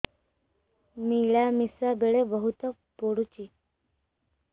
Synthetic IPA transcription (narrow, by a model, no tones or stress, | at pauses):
miɭamisabeɭebəɦut̪ə | poɽut͡ɕiː